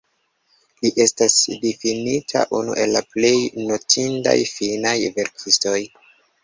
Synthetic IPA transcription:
liʔe̞stasdifinitʰa̰ʔunṵʔe̞lːaple̞jno̞tʰinda̰jfinajve̞ɾkʰisto̞j

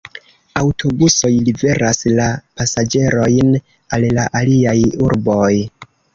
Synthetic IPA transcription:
awtʰo̞buso̞jlibe̞ɾʔaslapasad͡ʒe̞ɾo̞jn | alːaʔaliajuɾbo̞j

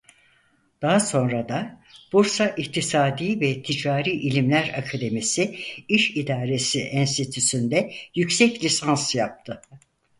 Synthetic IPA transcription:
d̪̥aɦaso̞nɾad̪ab̥uɾsaʔikt̪ʰisaːd̪iːvɛt̪ʰid͡ʒaːɾiːʔilʲimlʲæɾakʰad̪e̞misiiʃid̪aːɾe̞siʔɛnst̪it̪ʰysynd̪ɛjycsɛclʲisansjap̚t̪ʰɯ

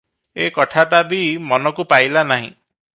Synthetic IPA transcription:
ekɔʈʰaʈ̬abimɔnɔkupajlanaɦḭ̃

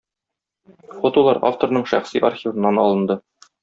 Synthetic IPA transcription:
χot̪ulˠɑɾa̰ft̪oɾnɤɴʃæ̰χsiʔa̰rχʲivɤ̆nːɑnɒ̰lˠɤ̆nd̪ɤ

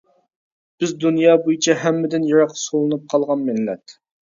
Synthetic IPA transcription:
b̥ɪzd̪unjɑːbojit͡ʃʰɛɦɛmːɪd̪ɪnjɑɾɑqsolˠɨnɨp̚qʰɑlˠʁɑnmɪnːɛ̰t̪

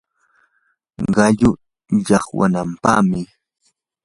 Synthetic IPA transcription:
ɢɑʎʊ | ʎɑχwa̰nampɑ̰χmɪ

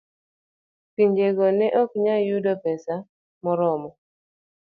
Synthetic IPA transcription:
piɲd͡ʒeɡɔnɛʔɔkɲajudɔpɛsa | mɔɾɔmɔ

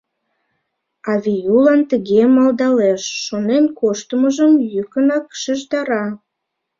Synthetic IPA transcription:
ɑβʲijulɑnt̪əɣemɑlˠd̪ɑleʃːonenkoʃt̪əməʒəmjykənɑkʃəʒd̪ɑɾɑ

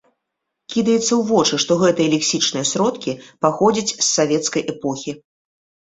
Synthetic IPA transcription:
kʲid̪ɐjɛt̪sːɐwvɔt͡ʂɨʂt̪ɔɣɛt̪ɨjɛlʲɛksʲit͡ʂnɨjɐsɾɔt̪kʲipaxɔd͡zʲit͡sʲsːavʲɛt̪skɐjʔɛpɔxʲi

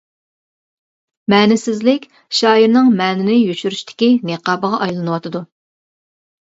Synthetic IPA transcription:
mɛːnɪsɪzlɪkʲ | ʃɑːiɾnɨŋmɛːnɪnɪjyʃyɾyʃt̪ʰɪ̥kʲineqɑːbəʁɑʔɑjlˠɨnɨwɑt̪ʰɨd̪u

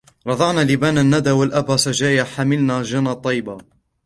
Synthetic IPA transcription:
ɾˤɑd̪ˤɑʕnaːlɪbaːnanːad̪aːwalʔabaːsad͡ʒaːjaħamɪlnaːd͡ʒanat̪ˤːɑjːba

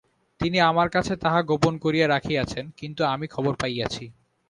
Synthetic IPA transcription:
t̪iniamaɾkat͡ɕʰet̪aɦaɡoponkoɾijaɾakʰiat͡ɕʰenkint̪uamikʰɔboɾpajat͡ɕʰi

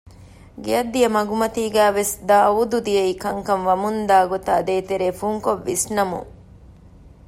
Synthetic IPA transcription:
ɡeɐd̪ijɐmɐɡumɐt̪iːɡæːʋesd̪aːud̪ud̪ijɐikɐŋkɐnʋɐmund̪aːɡot̪ɐːd̪eːt̪eɾeːfuŋkoʋːisnɐmṵŋ

